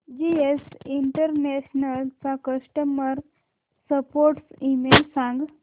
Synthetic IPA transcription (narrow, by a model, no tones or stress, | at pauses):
d͡ʑiesiɳʈəɾneɕnəlt͡sakəʂʈəməɾ | səpoɾʈsimelsãŋɡ